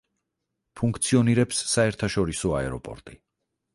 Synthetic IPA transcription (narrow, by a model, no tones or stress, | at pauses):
pʰuŋkʰt̪sʰiɔniɾɛpsːaɛɾt̪ʰaʃɔɾisɔaɛɾɔpʼɔ̰ɾt̪ʼi